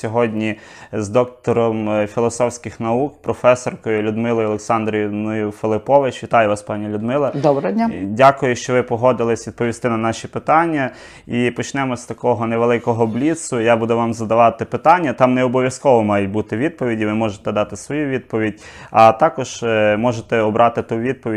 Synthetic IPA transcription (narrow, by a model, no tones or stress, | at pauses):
sʲɔɦɔdʲnʲi | zd̪ɔk̚t̪ɔɾɔmfʲilˠɔsɔwsʲkʲɪxnɐukpɾɔfɛsɔrkɔjʊlʲʊd̪mɪlˠɔjʊɔlˠeksɑnd̪ɾʲijnʊjʊfelˠɪpɔʋɪt͡ʃʋʲit̪ɑjʊʋɑspɑnʲɛlʲʊd̪mɪlˠɐdd̪ɔbɾɐdʲnʲadʲakʊjʊʃt͡ʃɔʋɪpɔɦɔd̪ɪlˠɪsʲʋʲid̪̚pɔʋʲist̪ɪnɐnɑʃʲipɪt̪ɑnʲːɐ | ipɔt͡ʃnɛmɔsʲt̪ɐkɔɦɔneʋelˠɪkɔɦɔblʲit̪sʊjabud̪ʊʋɑmzɐd̪ɐʋɑt̪ɪpɪt̪ɑnʲːɐt̪ɑmnɛɔbɔʋʲjɐskɔʋɔmɑjɛtʲbut̪ɪʋʲid̪̚pɔʋʲidʲiʋɪmɔʒet̪ɛd̪ɑt̪ɪsʋɔjuʋʲid̪̚pɔʋʲidʲɐt̪ɑkɔʒ̥mɔʒet̪ɛɔbɾʔɑt̪ɪt̪uʋʲid̪̚pɔʋʲi